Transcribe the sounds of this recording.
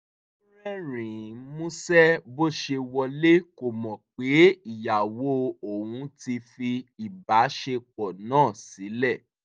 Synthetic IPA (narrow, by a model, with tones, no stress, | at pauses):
ɾɛ˦ɾ̃ĩ˨˦mũ˦sɛ˦bo˦˨ʃe˧wɔ˧le˦ko˨mɔ̃˨k͡pe˨˦i˦˨ja˨wo˨˦o˨wũ˨˧˦ti˧fi˧i˨ba˨˦ʃe˧k͡pɔ˨nãː˦˨si˨˦lɛ˦˨